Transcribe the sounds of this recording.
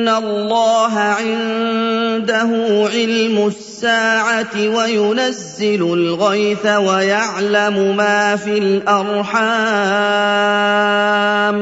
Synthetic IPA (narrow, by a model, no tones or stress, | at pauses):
nːalːɑːɦaʕɪn | d̪aɦʊːʕɪlmʊsːaːʕawajʊnazːɪlʊlɣajθawajaʕlamʊmaːfiːlʔɑɾˤħa | m